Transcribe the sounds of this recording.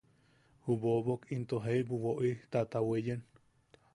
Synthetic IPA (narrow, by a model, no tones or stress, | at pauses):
huβoβokint̪oɦeibuwoʔit̪at̪awejen